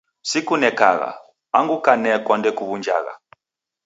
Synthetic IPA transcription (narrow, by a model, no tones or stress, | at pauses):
sikunɛka̰ɣa̰ | aŋɡukanɛkwandɛkuβund͡ʒa̰ɣa̰